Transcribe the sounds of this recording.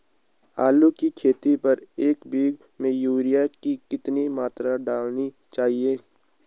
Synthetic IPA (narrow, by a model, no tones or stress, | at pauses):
aːlukikʰeːt̪ipɐɾeːkbiːɡ | mẽjuːɾijakikɪt̪nimaːt̪ɾaɖaːlni | t͡ʃaːɦieː